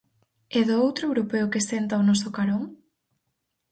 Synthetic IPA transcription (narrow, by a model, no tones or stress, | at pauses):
eðʊowt̪ɾʊewɾopeʊkɪsent̪ɐʊnɔsʊkaɾoŋ